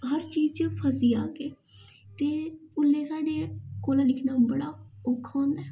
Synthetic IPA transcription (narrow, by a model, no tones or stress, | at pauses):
ɦəɾt͡ʃiːzt͡ʃpʰəsiːaːkeː | t̪eːʊlːeːsaːɖeːkoːlãːlɪkʰnaːbəɽaːʊkʰːõːnd̪aː